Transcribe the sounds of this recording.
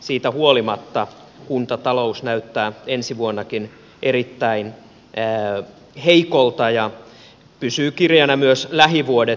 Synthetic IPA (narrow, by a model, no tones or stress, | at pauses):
siːt̪æhuolimɑt̪ːɑ | kunt̪ɑt̪ɑlousnæyt̪ːæːensiʋuonːɑkin | ʔerit̪ːæinː | heikolt̪ɑjɑ | pysyːkirjɑnɑmyøslæɦiʋuode